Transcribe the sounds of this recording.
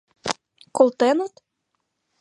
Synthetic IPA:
kolt̪ɛnot̪

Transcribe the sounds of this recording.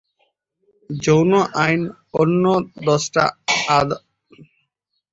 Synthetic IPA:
d͡ʑownoʔajn | onːod̪ɔsʈa̰ad̪

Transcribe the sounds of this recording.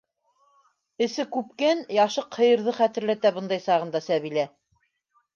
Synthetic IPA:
ɘ̆sɘkʉpkænjɑʃɤqhɤ̆jɤ̆ɾðɤχæt̪ɘ̆ɾlæt̪æbɤ̆nd̪ɑjsɑʁɤ̆nd̪ɑsæβilæ

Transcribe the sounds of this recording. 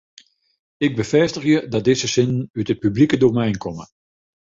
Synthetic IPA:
ɪɡ̚bəvɛstəχjədɑt̚dɪzəsɪnənytɦət̚pyblikədomɛjnkɔmə̰

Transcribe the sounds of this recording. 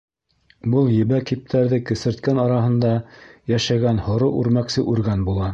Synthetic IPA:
bɤlˠjɘ̆βækip̚t̪ʰæɾðɘkɘ̆sɘ̆ɾt̪kænɑɾɑɦɤ̆nd̪ɑjæʃæɡænhŏɾɤʔʉɾmæksɘʔʉɾɡænbulˠɑ

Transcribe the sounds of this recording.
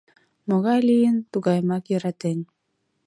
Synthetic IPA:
moɣɑjlijənt̪uɣɑjmɑkjəɾat̪en

